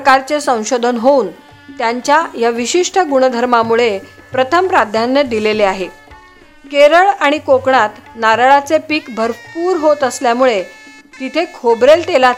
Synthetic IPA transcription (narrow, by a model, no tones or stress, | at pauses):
kaɾt͡sesə̃w̃ɕod̪ʱənɦouːn | t̪jaɲt͡ɕjajaʋiɕiʂʈʰəɡuɽ̃əd̪ʱəɾmamuɭe | pɾət̪ʰəmpɾad̪ʱjanːed̪ileleaɦe | keɾəɭaɽ̃ikokɳat̪naɾɭat͡sepiːkbʱəɾpuːɾɦot̪əsljamuɭe | t̪it̪ʰekʰobɾelt̪ela